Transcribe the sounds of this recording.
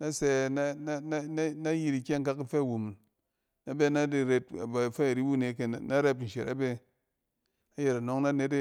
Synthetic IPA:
na˦se˨na˦n˦na˦n˦na˦ji˦ɾi˨kʲe˦ŋ˦ka˦ki˦fe˦˨wu˨mu˨n | na˦be˦na˦de˨ɾe˦t̚a̰˨ba˨fe˦˨ɾi˦bu˦˨ne˨ke˨na˦ɾe˦p̬n̩˨ʃḛ˨ɾa̰˦be˦ | a˨˦je˨ɾa˨no˦ŋna˦ne˦t̬e˦

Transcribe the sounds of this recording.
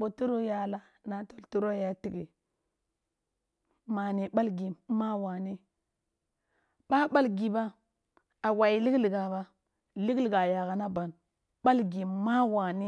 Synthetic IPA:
bo˨tu˦ɾo˦ja˨la˦ | na˨to˨ltu˦ɾo˦ja˨ti˨ɡi˨ | ma˨ni˨ɓa˦lɡi˨˦ma˦wa˨ni˦ | ɓa˦ɓa˦lɡi˨ba˦ | a˨wa˨i˨li˦ɡli˨ɡa˨ba˦ | li˦ɡli˨ɡa˨ja˨ɡa˨na˦ba˨n | ɓa˦lɡi˨ma˦wa˨ni˦

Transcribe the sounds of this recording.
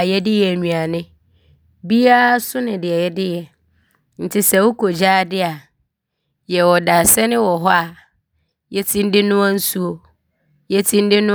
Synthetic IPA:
jɛ˦dɪ˦jɛ˨æ˨ɲũ˨a˨nɪ̃˦ | bi˦a˦sʊ˦nɪ̃˨dɪ˨ɛ˨jɛ˦dɪ˦jɛ˨ | n̩˨tʰɪ˦sɛ˦wʊ˦kʰo˨d͡ʑaː˦dɪ˦a˨ | jɛ˨wɔ˨da˨sɛ˦nɪ̃˦wɔ˨ɦɔ˦a˨ | jɛ˦tʰĩ˦n̩˦dɪ˦nʊ̃˦ã˦n̩˦su˦o˨ | jɛ˦tʰĩ˦n̩˦dɪ˦nʊ̃˦

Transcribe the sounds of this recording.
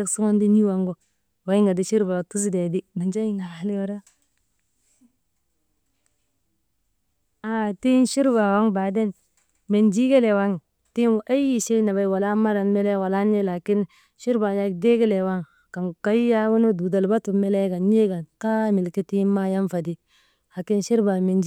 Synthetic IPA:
a˦ksu˦ŋo˦ndi˦ni˦wa˨ŋɡo˦ | wa˨˦i˦ŋɡa˨di˦ʃi˦ɾba˨tu˦si˦de˨di˦na˨nd͡ʒa˦i˦na˨a˦li˦jo˦ɾa˦ | a˨ti˦nʃi˦ɾba˨wa˦ŋbaː˨de˦n | me˨nd͡ʒi˦ɡe˦le˨wa˦ŋ˨ | ti˦nwʔa˦ji˦ʃi˦na˨ba˦i˦wa˨la˦ma˦ɾa˨nme˦le˦wa˨la˦ne˦la˨ki˦n | ʃi˦ɾba˨ja˦de˦ɡe˦le˨wa˦ŋ | ka˨ŋka˦i˦ja˦wu˦no˦du˨da˨lba˦tu˨me˦le˦ɡa˨nje˦ɡa˨nka˦mi˨lki˦ti˦ma˦ja˦nfa˨di˦ | ha˨ki˦nʃi˦ɾba˨me˨nd͡ʒ

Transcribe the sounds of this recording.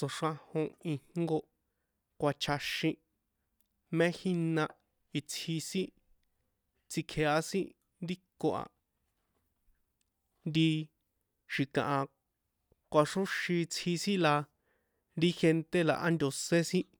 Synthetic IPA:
t͡so˨ʂã˧hõ˧i˧hŋɡo˧ | kʷa˧t͡ʃʰa˧ʃĩ˧ | mẽ˦xĩ˦nã˧ | i˧t͡sʰhi˧sĩ˦ | t͡si˧kʰe˨a˧sĩ˦ | nd̪i˦kːo˧ʔa̰˨ | nd̪i˧ | ʃi˨kã̰˨ʔã˧ | kʷa˧ʂo˦ʃĩ˧t͡sʰi˧sĩ˦la˧ | ɾi˦xe˧nt̪e˦la̰˨ʔa˦nd̪ʲo˧se˦sĩ˦

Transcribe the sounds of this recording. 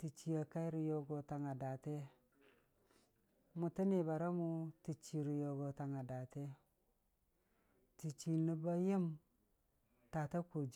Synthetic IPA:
ti˨t͡ʃi˨a˨ka˦i˦ɾi˨jo˦ɡo˨ta˨ŋa˨da˨te˦ | mu˨ti˦ni˨ba˨ɾa˦mu˦ti˨t͡ʃi˨ɾi˨jo˨ɡo˨ta˨ŋa˨da˨te˦ | ti˨t͡ʃi˨ni˦ba˦je˦m | ta˨ta˦ko˨d͡ʒ

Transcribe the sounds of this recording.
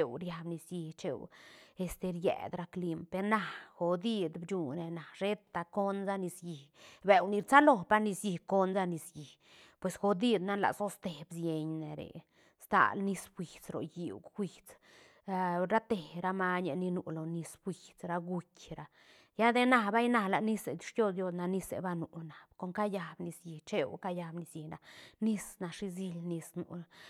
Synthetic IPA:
e˧wɾja˧bni˨sji˧ht͡ʃe˧we˧st̪e˧ɾjḛ˨d̪ɾa˧kli˧mpe˧ɾna˨˧xo˨d̪i˧d̪bd͡ʒu˨ne˨na˨ʃe˦t̪ːa˧ko˦nza˦ni˧sji˨hbe˨wni˧ɾt͡sa˦lo˧˨pa˦ni˧sji˨ko˦nza˦ni˧sji˨h | pwe˨sxo˨d̪i˦d̪na˦la̰˨so˦st̪e˨bsje˧ɲne˨ɾḛ˨ | st̪a̰˧˨lni˧˦sxwi˨t͡sɾo̰˨ji˨wxi˨t͡s | a˧ɾa˦t̪e˨ɾa˧ma˦ɲe˧ni˧nu˨lo˨ni˧sbwi˨t͡sɾa˧ɡu˧kʲɾa˨ | ja˦d̪e˦na˧ba˦jna˧la˨ni˦se˨d̪i̥˧ʂjo˦d̪jo˦˧sna˧ni˦sḛ˨ba˧nu˨na˨b̥ko˦ŋka˦ja˧bni˧sji˨t͡ʃe˦wka˦ja˧bni˧sji˨na˨ni˦sna˨ʂi˧zi˦lni˧snṵ˨

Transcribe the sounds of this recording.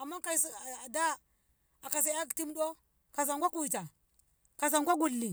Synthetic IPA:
a˨mːa˦ka˨sda˦ | a˨ka˨s̬a˨˦a˦kti˦mɗo˦ | ka˨s̬a˨ŋɡʷa˦ku˦˨i˨ta˨ | ka˨s̬a˨ŋɡʷa˦ɡu˦˨lːi˨

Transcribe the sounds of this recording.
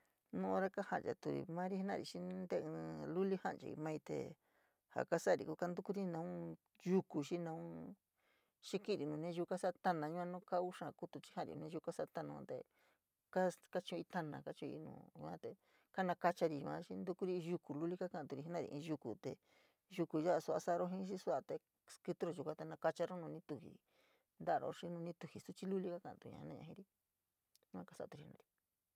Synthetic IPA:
nũ˦o˧ɾa˦ka˦hã˨nd͡ʒa̰˨t̪u˧ɾḭ˨mã˦ɾi˧˦hnã˧˨˧i˨ʃĩ˦nd̪e˦ɨ̃˧lu˦li˦hã̰˦nt͡ʃa̰˧ḭ˧mã˦i˧t̪ḛ˧ | ha̰˨ka˦sa˦˨ɾḭ˨ku˧˦ka˦nd̪u˦ku˦ɾi˦nã˧ũ˦ | ʒu˧ku˨ʃĩ˦nã˧ũ˦ | ʃi˦kĩ˦ɾi˨nũː˨nẽ˦ʒu˧ka˦sa˦˧t̪a˦˧nã˧ɲũ˧˦ã˦nũ˦ka˦u˦ʂã˧˨˧ku˧t̪u˧t͡ʃi̥˦hã˦˨ɾḭ̃˨˧nẽ˦˧ʒu˧ka˦sa˦˧t̪a˧nã˧ã̰˧t̪e˧ | ka˦ka˦t͡ʃõ˧i˧t̪a˧nã̰˧˨ka˦t͡ʃi˧õ˧ḭ˧nṵ̃ː˨ũ˧ã˦t̪e˧ | ka˦nã˧ka˧t͡ʃa˧ɾi˧˨˧ã̰˧˦ʃi˧nd̪u˧ku˦ɾi˦˧ʒu˧ku˨lu˦li˦ka˦ka˧˨t̪u˧ɾi˧˨i˦nã˦˧ɾḭ˧ʔĩ˧ʒu˧ku˨t̪e˨ | ʒu˧ku˨ja˦˧su˧a̰˧sa˦˧ɾo˦ɦĩ˦ʃi˦su˦a˧t̪e˧ | skɨ˧t̪u˦ɾo˧˨u˨˧kʷã˦t̪e˧nã˧ka˧t͡ʃa˧ɾo˦nũː˧nĩ˦t̪u˧hḭ˨ | nd̪a˦˧ɾo̰˧ʂi˦nũ˧nĩ˦t̪u˧hi˨su˦t͡ʃi˦lu˦li˦ka˦kã̰˧˨˧t̪ṵ˧ɲã̰˧˨˦nã˦˧ɲã̰˧ĩ˦ɾi˦ | ɲũ˦ã˦ka˦sa̰˧˨t̪u˧ɾi˨hi˧nã̰˧ɾi˨

